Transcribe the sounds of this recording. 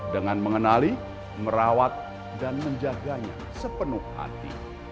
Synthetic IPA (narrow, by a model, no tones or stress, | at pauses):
dəŋanməŋənali | məɾawat̪̚ | danməɲd͡ʒaɡaɲa̰ | səpənʊha̰t̪ḭ